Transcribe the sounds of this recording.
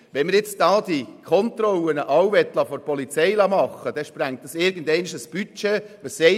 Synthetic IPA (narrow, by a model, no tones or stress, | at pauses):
ʋɛnmɪɾjɪt͡sd̥ɑːd̥ikʰɔntrɔwənəʔɑwvɛt̪ːlɑfɔɾpɔlit͡sɛɪlɑːmɑχəd̥ɛʃpɾæŋt̚dɑsɪɾɡ̥ən̩dɛɪniʃəsb̥yt͡ʃeʋəsɛ